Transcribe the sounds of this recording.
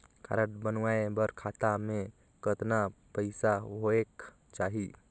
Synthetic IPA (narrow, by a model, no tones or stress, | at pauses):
ka̰ːɾə̃ʈbənwaːebəɾkʰaːt̪amẽ | kət̪napəɪsaɦoek | t͡ʃaːɦi